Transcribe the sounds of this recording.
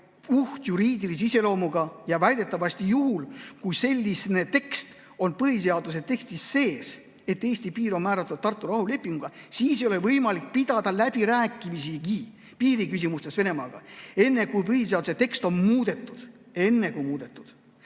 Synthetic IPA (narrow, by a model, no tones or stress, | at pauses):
uht̪juɾiːd̪ilis̬ise̞lo̞ːmuɡ̥ɑjɑvæjd̪̥e̞t̪ːˑɑvɑsʲt̪ijuɦulkujse̞lʲːisne̞t̪e̞kst̪ | o̞npɤɦise̞ɑd̪̥us̬e̞t̪e̞kst̪isːe̞ːs | e̞t̪ːe̞ːsʲt̪ipiːɾo̞nmæːɾɑt̪ːˑud̪̥̚t̪ːɑrt̪ːˑuɾɑhule̞pːˑiŋɡuɡ̥ɑsiːsejo̞levɤjmɑlik̚pid̪ɑd̪̥ɑlæb̥iɾæːkːˑimisiɡi | piːɾikysʲimust̪e̞sve̞ne̞mɑːɡ̥ɑ̰e̞nːe̞kujpɤhiseɑd̪u̥se̞t̪e̞kst̪o̞nmuːd̪̥e̞t̪ːˑud̪̥ | e̞nːe̞kujmuːd̪̥e̞t̪ːˑud̪̥